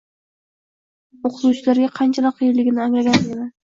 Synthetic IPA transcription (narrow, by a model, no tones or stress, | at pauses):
oqʰɨzuwt͡ʃʰɪlaɾɡʲaqʰɑnt͡ʃʰalɑqʰːɨjɪɾlɪɡʲɪnɪaŋlaɡʲaned̪ɪ